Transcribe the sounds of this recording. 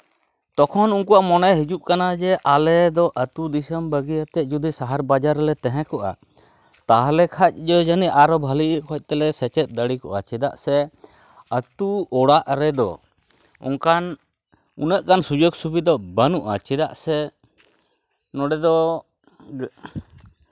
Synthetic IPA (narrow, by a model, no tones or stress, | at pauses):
t̪ɔkʰɔnunkuaʔmɔnɛɦid͡ʒuʔ̚kanad͡ʒɛʔalɛd̪ɔʔət̪ud̪isəmbəɡijat̪ɛʔ̚ˀd͡ʒud̪isaɦaɾbad͡ʒaɾlɛt̪ɛɦɛ̃kɔʔa̰ | t̪aɦlɛkʰac̚ˀd͡ʒɔd͡ʒaniʔaɾɔbʱəliʔkʰɔc̚ˀt̪ɛlɛsɛt͡ʃɛt̪̚d̪əɽikɔʔat͡ʃɛd̪aʔsɛ | ət̪uɔɽaʔɾɛd̪ɔ̰ | ṵŋkan | ṵnəʔkansud͡ʒoɡsubid̪ɔbənuʔa̰t͡ʃɛd̪aʔsɛ | nɔɖɛd̪ɔ